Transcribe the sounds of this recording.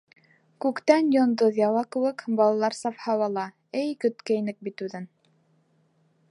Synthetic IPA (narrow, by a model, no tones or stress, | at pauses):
kʉkt̪ænjŏnd̪oðjɑwɑkɘ̆wɘkbɑlˠɑlˠɑɾsɑfhɑwɑlˠɑ | ɘjkɵ̆t̪kæjnɘk̚bit̪ʉðɘn